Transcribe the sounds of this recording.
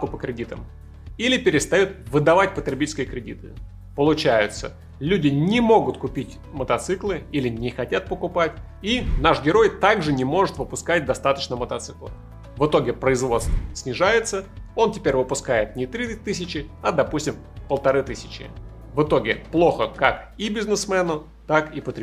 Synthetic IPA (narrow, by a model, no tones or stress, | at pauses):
kʊpəkɾʲɪdʲit̪əm | ilʲɪpʲɪɾʲɪst̪ɐjot̪̚vɨd̪ɐvatʲpət̪ɾʲɪbʲit͡ɕʲsʲkʲəjəkɾʲɪdʲḭt̪ɨ | pəlˠʊt͡ɕæjʊt̪sə | lʲudʲɪnʲɪmo̞ɡʊt̪kʊpʲitʲ | mət̪ɐt̪sɨklˠɨilʲɪnʲɪxɐtʲat̪̚pəkʊpatʲ | inaʂɡʲɪɾo̞jt̪aɡʐɨnʲɪmo̞ʐɨt̪vɨpʊskat̚ʲd̪ɐst̪at̪ə̥t͡ɕnəmət̪ɐt̪sɨklˠə̰ | vɨt̪o̞ɡʲɪpɾəɪzvo̞t̪st̪vəsʲnʲɪʐajɪt̪səo̞ntʲɪ̥pʲeɾʲvɨpʊskajɪt̪nʲɪt̪ɾʲit̪ɨsʲɪt͡ɕɪad̪ɐpusʲtʲɪm | pəlˠt̪ɐɾɨt̪ɨsʲɪt͡ɕɪ̰ | vɨt̪o̞ɡʲɪplˠo̞xəkak | ibʲɪznɨsmɛnʊ | t̪akipət̪ɾʲ